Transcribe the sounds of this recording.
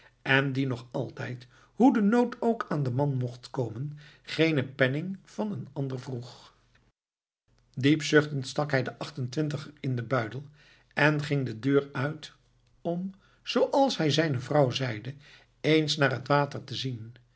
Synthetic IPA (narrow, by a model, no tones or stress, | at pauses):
ʔɛndinɔχɑlˠtɛjt | ɦudənowtowkaːndəmɑnmɔχtkowmənχejnəpɛnɪŋv̥ɑnənɑndəɹvruχ | dipsɵχtəntstɑkɦɛjdəʔɑχtəntʋɪntəχəɪndəbœɥdəlˠ | ɛnχɪŋdədøːɹœɥt | ɔm | z̥owʔɑlˠsɦɛjzɛjnəvrɑwzɛjdə | ejnsnaːɹɦətʋaːtəɹtəzin